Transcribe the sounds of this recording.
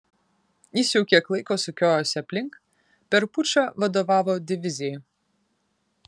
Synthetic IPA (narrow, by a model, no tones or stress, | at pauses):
isʲuʊkʲeklˠɐɪkoːsʊkʲoːjoːsʲɐpʲlʲɪŋk | pʲɛɾpʊt͡ʃʲoʋɐd̪oːʋɑːʋoːd̪ʲɪʋʲɪzʲɪjɛ